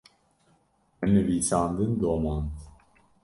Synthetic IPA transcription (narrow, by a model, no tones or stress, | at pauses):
ɛmnɨviːsɑːnd̪ɨnd̪oːmɑːnt̪